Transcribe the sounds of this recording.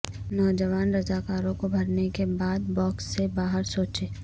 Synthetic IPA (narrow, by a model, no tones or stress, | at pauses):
nɔːd͡ʒəʋaːnɾəd͡ʒaːkaːɾõkobʱɐɾnekebaːd̪̚bɔːksːebaːɦəɾsoːt͡ʃeː